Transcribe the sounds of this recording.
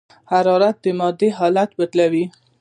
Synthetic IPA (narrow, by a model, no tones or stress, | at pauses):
haɾɑɾat̪̚d̪əmɑd̪eɦɑlat̪bət̪lawi